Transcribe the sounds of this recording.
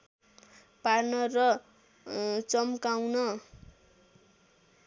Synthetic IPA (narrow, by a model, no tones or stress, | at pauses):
parnʌrʌ | t͡sʌmkawnʌ